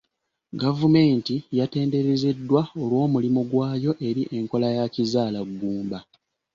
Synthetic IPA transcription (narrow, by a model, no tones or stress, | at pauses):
ɡavume̞ːntijate̞ːnde̞ɾeze̞dːwao̞lwo̞ːmulimuɡwaːjo̞ʔe̞ɾiʔe̞ŋko̞lajacizaːlaɡːuːmba